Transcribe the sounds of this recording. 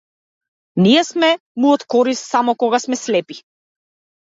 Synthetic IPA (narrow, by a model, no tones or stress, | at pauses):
nijɛsmɛ | mujɔt̪kɔɾist̪samɔkɔɡasmɛslɛpi̥